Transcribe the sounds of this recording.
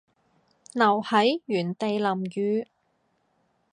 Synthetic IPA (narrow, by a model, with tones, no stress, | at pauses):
nɐ˨˩whɐ˨˥jjyː˨˩nt̪e˨jlɐ˨˩mjyː˨˧